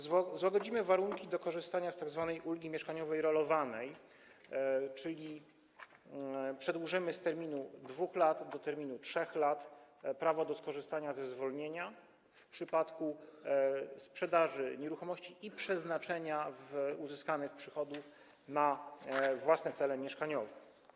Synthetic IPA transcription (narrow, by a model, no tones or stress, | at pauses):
zwaɡɔd͡ʑimɘvaɾuŋkʲid̪ɔkɔʐɘst̪aɲast̪aɡzvanɛjʔulɡʲimʲjɛʂkaɲɔvɛjɾɔlɔvanɛj | t͡ʂɘlʲi | pʂɛd̪wuʐɘmɘst̪ɛɾmʲinud̪vuxlat̪d̪ɔt̪ɛɾmʲinutʂɛxlat̪pɾavɔd̪ɔskɔʐɘst̪aɲazɛzvɔlɲeɲa | fpʂɘpat̪ku | spʂɛd̪aʐɘɲeɾuxɔmɔɕt͡ɕiʔipʂɛznat͡ʂɛɲavuzɘskanɘxpʂɘxɔd̪uf | na | vwasnɛt̪sɛlɛmʲjɛʂkaɲɔvɛ